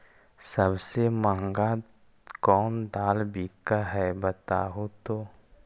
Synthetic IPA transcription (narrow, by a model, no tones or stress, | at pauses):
səbsemãːŋɡa | kɔːnd̪aːlbiːkaɦɛbət̪a̰ːɦot̪oː